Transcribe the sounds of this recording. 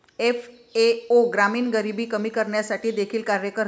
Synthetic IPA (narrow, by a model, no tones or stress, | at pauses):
ef | eoɡɾamiːnɡəɾibiːkəmiːkəɾɳjasaʈiːd̪ekʰiːlkaɾjəkəɾ